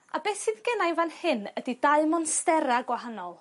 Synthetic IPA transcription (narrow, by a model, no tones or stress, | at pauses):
abɛsɪðɡɛnajnvanhɪnədidaɨmɔnstɛɾaɡwahanɔlˠ